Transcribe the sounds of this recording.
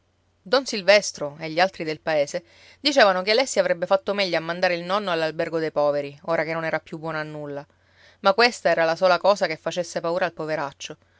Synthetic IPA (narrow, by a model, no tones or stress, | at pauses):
d̪ɔnsilvɛst̪ɾoeʎːialt̪ɾid̪elpaeːse | d̪it͡ʃeːvanokealɛsːiavɾɛbːefat̪ːomɛʎːaamːand̪aːɾeilnɔnːoalːalbɛrɡod̪ejpɔːveɾioːɾakenːonɛːɾapːjubːwɔːnaːnːulːa | makːwest̪aɛːɾalasoːlakɔːsakefːat͡ʃesːepauːɾaːlpoveɾat͡ʃːo